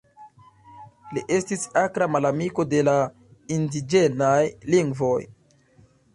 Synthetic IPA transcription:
liʔe̞stisakɾamalamiko̞de̞la | indid͡ʒenajliŋɡvo̞j

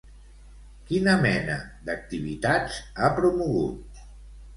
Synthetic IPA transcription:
kinəmɛnəd̪ək̚t̪iβ̞it̪ad͡zapɾumuɣṵt̪̚

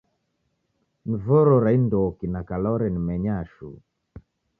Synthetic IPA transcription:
n̩vɔɾɔɾaindɔkinakalɔɾɛnimɛɲaʃṵ

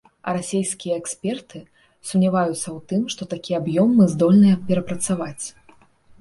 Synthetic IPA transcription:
ɐ̰ɾasʲejskʲijɐɛksʲpʲɛrt̪ɨ | sumnʲavajut̪sːɐwt̪ɨmʂt̪ɔt̪akʲijɛabjɔmːɨzd̪ɔlʲnɨjɐpʲɛɾɐpɾɐt̪savat͡sʲ

